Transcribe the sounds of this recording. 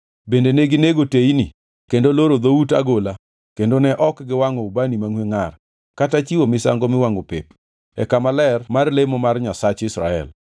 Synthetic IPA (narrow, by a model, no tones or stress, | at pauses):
bendeneɡɪneɡoteini | kendoloɾod̪outa̰ɡola | kendonɛʔɔkɡɪwaŋɔubanimaŋweŋar | katat͡ʃiwomɪsa̰ŋɡomɪwaŋopep | ɛ̰kamalɛrmarlemɔmarɲasat͡ʃɪsɾa̰ɛ̰l